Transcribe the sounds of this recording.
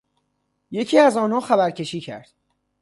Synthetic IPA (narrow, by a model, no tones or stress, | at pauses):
je̞cʰiːæzɒːnɒːxæbæɾcʰe̞ʃiːcʰæ̰ɾd̪̥